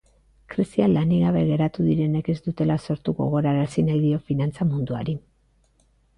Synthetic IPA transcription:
kɾisialaniɣaβe̞ɣe̞ɾat̪uðiɾe̞ne̞ke̞zd̪ut̪e̞laso̞ɾt̪uɣo̞̰ɣ̞o̞ɾaɾasinajðio̞finant͡samund̪ua̰ɾi

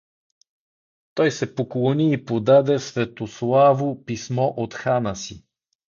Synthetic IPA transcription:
t̪ɔjsɛpoklˠoniːpod̪ad̪ɛsvɛt̪oslˠavopismɔʔot̪xanəsi

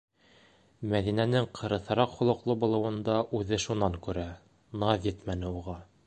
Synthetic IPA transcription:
mæðinænɘŋqʰɤ̆ɾɤ̆θɤ̆ɾɑqχŭlˠɤ̆qlˠɤbŏlˠɤ̆wɤ̆nd̪ɑʔʉðɘʃunɑŋkʉɾæ | nɑðjɘt̪mænɘ̆uʁɑ

